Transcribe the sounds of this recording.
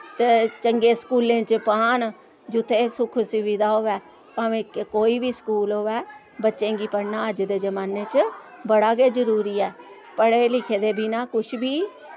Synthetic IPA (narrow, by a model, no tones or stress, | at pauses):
t̪eːt͡ʃəŋɡeːskuːlẽːt͡ʃpaːn | d͡ʒʊt̪ʰeːsʊkʰsɪʋid̪aːɦoːʋɛː | pãːʋẽːkkoːiːbiːskuːlɦoːʋɛː | bətːʃẽːɡiːpəɽnaːəd͡ʒd̪eːd͡ʒəmaːneːt͡ʃbəɽaːɡeːzəɾuːɾiːɛː | pəɽeːlɪkʰeːd̪eːbʱiːnãːkʊʃʰbʱiː